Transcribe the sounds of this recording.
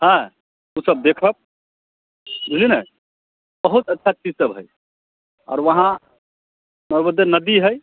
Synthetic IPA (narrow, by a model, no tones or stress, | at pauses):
hɛ̃ | usəb̚d̪ekʰəp̚ | linə | bəɦut̪ətːʃʰat͡ʃid͡ʒsəbɦəj | ɔ̰ɾʋəɦã | nəɾbəd̪enəd̪iɦəj